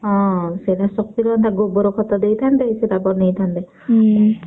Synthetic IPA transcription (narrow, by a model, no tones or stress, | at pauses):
ɦɔ̃sejlasɔk̚t̪iɾɔnt̪aɡobɔɾokʰɔt̪ɔd̪ejt̪ʰant̪esedabɔnejt̪ʰant̪e